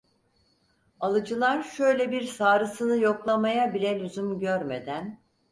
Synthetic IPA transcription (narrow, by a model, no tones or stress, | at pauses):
alˠɯd͡ʒɯlˠaɾʃøjlʲɛbiɾsaːɾɯsɯnɯjo̞klˠamajabilʲɛlʲyzymɟøɾme̞̰d̪æn